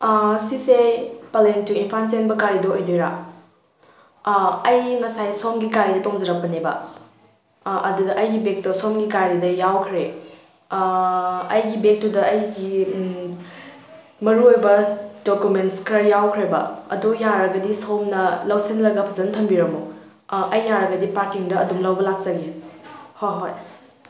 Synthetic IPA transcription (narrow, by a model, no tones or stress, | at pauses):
sisepalentiinpʰant͡ʃenbɐkaɾidoɐjdojɾa̰ | ɐjŋɐsajsomɡikaɾidɐtoŋzɐɾɐk̚pɐnebɐ̰ | ʔɐdudɐʔɐjɡibek̚tosomɡikaɾidɐjawkʰɾe | ɐjɡibek̚tudɐʔɐjɡi | mɐɾuojbɐdokumentskɾɐjawkʰɾebɐ̰ɐ̰dujaɾɐɡɐdisomnɐlɐwsinlɐɡɐpʰɐzɐntʰɐmbiɾɐmo | ʔɐjːaɾɐɡɐdipaɾkiŋdɐːdumlɐwbɐlak̚t͡ʃɐɡehojɦoj